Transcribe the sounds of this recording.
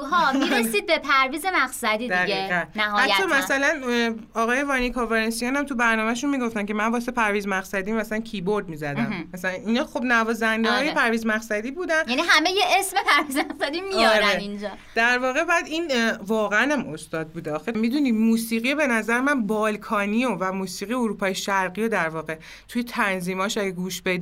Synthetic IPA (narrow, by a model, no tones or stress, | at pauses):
ɦɒːmiessiːd̪̚bepʰæɾviːzemæχsæd̪iːd̪iæʁiːʁænnːæhːhæt̪ːɒmæssælænɒːɣɒːjevɒːnikʰoveɾensijɒnæmt̪ʰubæɾnɒːmæʃunmiːɡo̞ft̪æncʰe̞mænvɒːsepʰæɾviːzmæxsæd̪iːmæslæncʰibo̞ɾd̪miːzæd̪æmmæsælæninɒːxo̞bnævɒːzænd̪ehɒːjepʰæɾviːzmæχsæd̪iːbuːd̪ænjæniɦæmejeʔesme̞pæɾvizmæχsæd̪imijɒːɾeind͡ʒɒː | d̪̥æɾvɒːɣe̞bɒæd̪iːnvɒːɣeænæmo̞st̪ɒːd̪̚buːd̪eɒːxemid̪uniːmuːsiːɣijebe̞næzæɾemænbɒːlkʰɒːniovæmuːsiːɣijeoɾuːpʰɒːjeʃæɾɣiod̪æɾvɒːɣe̞ | t̪ʰujet̪ʰænziːmɒːʃæɡæɡuːʃbed̪